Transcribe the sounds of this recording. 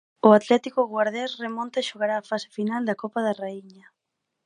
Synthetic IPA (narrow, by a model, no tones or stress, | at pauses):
ʊat̪lɛt̪ikʊɣwaɾðɛsremõnt̪aeʃoɣaɾaːfasɪ̥finald̪ɐkopaðaraiɲɐ